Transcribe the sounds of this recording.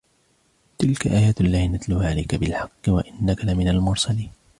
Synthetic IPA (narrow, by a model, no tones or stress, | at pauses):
t̪ɪlkaʔaːjaːt̪ʔalːaːhnat̪lʊːhaːʕalajkabɪlħɑqːɨwaʔɪnːakalamɪnalmʊɾsaliːn